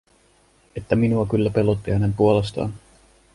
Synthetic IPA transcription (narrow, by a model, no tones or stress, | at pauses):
e̞t̪ːæminuɑkylːæpe̞lot̪ːihæne̞mpuole̞st̪ɑ̰ːn